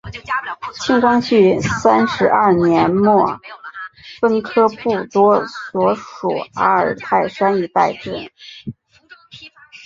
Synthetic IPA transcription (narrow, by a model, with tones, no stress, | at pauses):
t͡ɕʰi˥˧ŋkwɑ˥ŋɕy˥˩sa˥nʂɻ̩˧˥ʔɐ˞˥˩njɛ˧˥nmwɔ˥˩ | fə˥nkʰɤ˥pu˥˩t̪wɔ˥swɔ˧˥ʂṵ˨˩a̰˥ə˞˨˩t̪ʰa˥˩ɪʂa˥ni˧˥˩t̪a˥˧ɪʈ͡ʂɻə˥˩